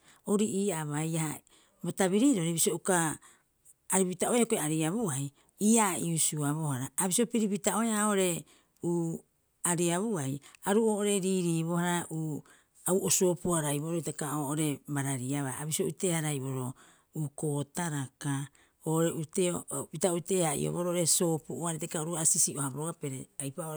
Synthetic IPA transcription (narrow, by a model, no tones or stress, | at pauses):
oɾiʔiːaβajaha | botaβiɾiːɾo̞ɾiβiso̞ukaː | ɾipitao̞jakoeaɾiaβuaj | iːaiusuaβo̞haɾaːβisopiɾipitao̞jaooɾe̞ | uː | aɾiaβuajaɾuo̞ːʔoɾe̞ɾiːɾiːβo̞haɾaʔuː | auʔoso̞ːpuaɾajβoɾojtakaoːʔoɾe̞baɾaɾiaβaaβiso̞ʔutehaɾajboɾo̞ | uːko̞ːtaɾaka | oːʔoɾeʔuteopitaote̞haḭo̰βoɾoʔoɾeso̞ːpuoaɾetekaoɾuasisiohaboɾoɡapeɾeajpao